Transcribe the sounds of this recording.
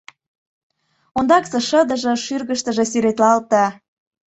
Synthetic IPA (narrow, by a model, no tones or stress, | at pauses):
ond̪ɑksə̆ʃə̆d̪ə̆ʒɤ̆ʃyrɣəʃt̪ə̆ʒĕsiɾet̪lɑlt̪ɑ